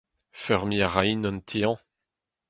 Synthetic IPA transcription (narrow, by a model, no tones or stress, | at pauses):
fɛʁmiaʁainɔ̃nt̪ʰiɑ̃